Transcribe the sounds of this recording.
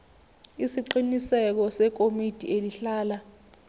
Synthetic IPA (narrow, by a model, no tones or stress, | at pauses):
isiǃinisɛk̬ɔsɛk̬omid̥ʱʼḭeliɬaːla